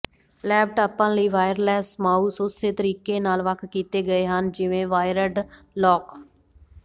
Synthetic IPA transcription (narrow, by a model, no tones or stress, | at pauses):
lɛːb̚ʈaːpãːləiːʋaːjəɾlɛːsmaːuːsoseːt̪əɾiːkeːnaːlʋəkʰkiːt̪eːɡəeːɦənd͡ʒɪʋẽːʋaːɪɾəɖ | lɔːk